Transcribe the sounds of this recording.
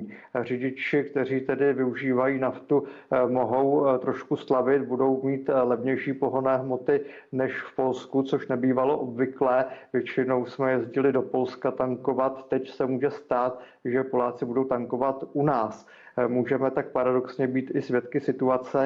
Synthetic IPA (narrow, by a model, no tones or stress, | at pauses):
r̝ɪɟɪt͡ʃɪkt̪ɛr̝iːt̪ɛdɪvɪuʒiːvajiːnaft̪u | mo̞ɦo̞wt̪ɾo̞ʃkuslavɪt̪̚budo̞wmiːt̪lɛvɲɛjʃiːpo̞ɦo̞nɛːɦmo̞t̪ɪ | nɛʃfpo̞lskut͡so̞ʃnɛbiːvalo̞ʔobvɪklɛːvjɛt͡ʃɪno̞wsmɛjɛzɟɪlɪdo̞po̞lskat̪aŋko̞vat̪ːɛcsɛmuːʒɛst̪aːt̪ | ʒɛpo̞laːt͡sɪbudo̞wt̪aŋko̞vat̪unaːs | muːʒɛmɛt̪ak̚paɾado̞ksɲɛbiːt̪ɪsvjɛt̪kɪsɪt̪uat͡sɛ